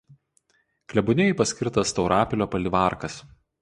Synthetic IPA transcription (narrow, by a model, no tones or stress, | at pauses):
klʲɛbʊnʲɛɪpɐsʲkʲɪɾt̪ɐst̪ɐʊɾɑːpʲɪlʲoːpɐlʲɪʋɑˑɾkɐs